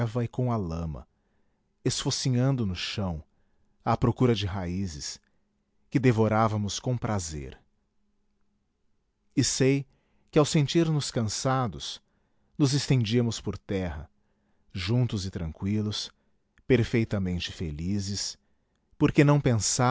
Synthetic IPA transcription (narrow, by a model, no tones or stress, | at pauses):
vɐɪkõw̃ɐlɐ̃mɐ̰ | esfosiɲɐ̃nd̪ʊnʊʃɐ̃w̃ | ɐpɾokuɾɐd͡ʒɪɦaizɪs | kɪd̪evoɾavɐmʊskõw̃pɾʔazḛɾ | ɪsej | kɪawsẽnt͡ʃiɾnʊskɐ̃sad̪ʊs | nʊzɪst̪ẽnd͡ʒiɐmʊspoɾt̪ɛɦɐ̰ | ʒũnt̪ʊzɪt̪ɾɐ̃ŋkwilʊs | peɾfejt̪ɐmẽnt͡ʃɪ̥felizɪs | poɾkenɐ̃w̃pẽsa